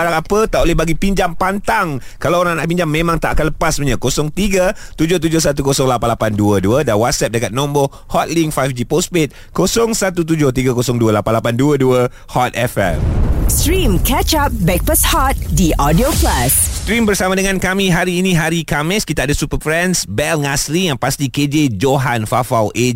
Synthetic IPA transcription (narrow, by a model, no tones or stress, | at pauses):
oɾaŋapət̪aʔolɛhbaɡipiɲd͡ʒaŋpant̪aŋ | kalawoɾaŋanaʔpiɲd͡ʒaŋmẽmãŋt̪aʔakanləpasməɲakosɔŋt̪iɡət̪ud͡ʒʊht̪̬ud͡ʒʊhsat̪̬ukosɔŋlapanlapanduəduədanwat̪̚sɛp̚dəkat̪̚nɔ̃mbo | hɔt̪̚liŋfajfd͡ʒipospet̪̚ | kosɔŋsat̪ut̪̬ud͡ʒʊht̪iɡakosɔŋduəlapanlapanduəduə | hɔt̪̚ɛfɛ̰mstɾĩmkɛt͡ʃap̚bɛk̚pəshɔt̪̚diʔɔdioplasst̪ɾimbərsamãdəŋãnkamĩɦaɾiːnĩɦaɾikamɪskit̪aːdasupəpɾɛnsbɛlŋasɾijaŋpast̪iked͡ʒed͡ʒoɦanfafawʔe